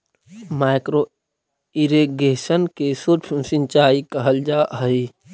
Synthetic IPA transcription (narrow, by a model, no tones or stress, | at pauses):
maːɪkɾo | iɾeɡeːsənkesuɾt͡ʃʰsɪ̃nt͡ʃaːikaɦəld͡ʒaɦəi